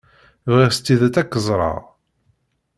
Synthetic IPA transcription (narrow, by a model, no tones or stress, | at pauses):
vʁiʁst̪ːiðæt͡sækːəzˤɾˤɑ̰ʁ